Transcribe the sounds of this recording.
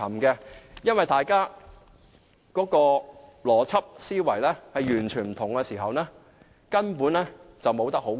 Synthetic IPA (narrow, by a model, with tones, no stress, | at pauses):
ɐ˨˩mkɛ˧jɐ˥nwɐ˨jt̪aː˨jkaː˥ | kɔː˨˥kɔː˧lɔː˨˩t͡sʰɐ˥p̚siː˥wɐ˨˩jlɛ˥hɐ˨jjyː˨˩nt͡ʃʰyː˨˩nm̩˨˩t̪ʰʊ˨˩ŋːkɛː˧siː˨˩ɦɐ˨wnɛː˥ | kɐ˥npuː˨˥nlɛː˥t͡sɐ˨wmo˨˧wt̪ɐ˥k̚ho˨˥w